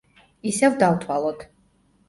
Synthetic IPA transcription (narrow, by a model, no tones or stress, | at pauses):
isɛvd̪avt̪ʰwalˠɔt̪ʰ